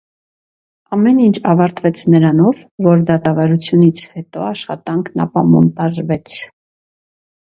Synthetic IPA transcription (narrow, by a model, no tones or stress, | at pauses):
ɑmɛnint͡ʃʰɑvɑɾt̪vɛt͡sʰnəɾɑnɔvːɔɾd̪ɑt̪ɑvɑɾut͡sʰjunit͡sʰhɛt̪ɔɑʃχɑt̪ɑŋkʰnɑ̰pɑmɔ̰nt̪ɑʒvɛt͡sʰ